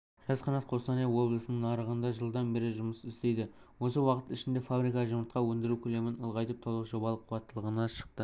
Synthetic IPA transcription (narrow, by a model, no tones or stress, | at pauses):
ʒ̥ɑzqʰɑnɑt̪qʰo̞st̪ɑnewo̞blˠəsənəɴːɑɾəʁənd̪ɑʒəlˠd̪ɑnbe̞ɾɪʒʊməsɪst̪e̞jd̪ɪ | wo̞səwɑqət̪ɪʃɪnd̪e̞fabɾikɑʒəməɾt̪̚qɑwɵnd̪ɪɾukʲʰɵle̞mɪnəlˠʁɑjt̪əp̚t̪ʰo̞lˠəqʒo̞bɑlˠəqʰːʊwɑt̪ːəlˠəʁənɑʃə̥q̚t̪ə